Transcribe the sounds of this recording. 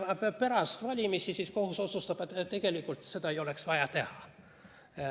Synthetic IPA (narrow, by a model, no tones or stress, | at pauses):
mɑpe̞ɾɑst̪vɑlʲimisisisko̞huso̞t̪sust̪ɑb̥et̪ːt̪ːe̞ɡ̥e̞likːˑult̪se̞d̪ɑejo̞le̞ksvɑjɑt̪e̞hɑ